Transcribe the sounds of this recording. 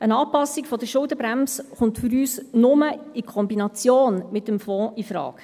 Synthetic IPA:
ʔənɑːpɑsːikfɔd̪əʃʊldəbɾæmsχʊntfyɾyːsnʊməikʰɔmbinɑt͡sjoːnmɪtːəmfɔ̃ːifɾɑ̰ːk

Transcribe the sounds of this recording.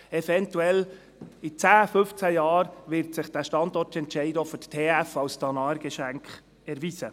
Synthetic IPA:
ɛfɛntuɛl | it͡sæːfʏft͡sæjɑːɾʋɪɾtsɪχd̥æːʃtɑndɔrtɛntt͡ʃɛɪdɔfʏttʰeːæfɑwst̪ʰɑnɑːɾɡɛʃæŋkχ | ɛɾʋisə

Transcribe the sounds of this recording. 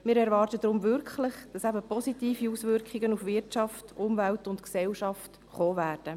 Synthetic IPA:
mɪːɾɛɾvɑːrtəd̥ɾʊmvʏɾkχlɪχd̥ɑsæbəpɔsitiːfiusvʏɾkχɪɡənufvɪɾtt͡ʃɑftʔʊmvæltʊntksɛlʃɑft | χoːvæːrd̥ə

